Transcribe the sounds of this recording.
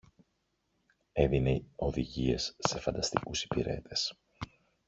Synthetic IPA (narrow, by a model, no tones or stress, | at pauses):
e̞ðineo̞ðiʝie̞sːe̞fɐnd̪ɐst̪ikusi̥piɾe̞̰t̪ʰe̞s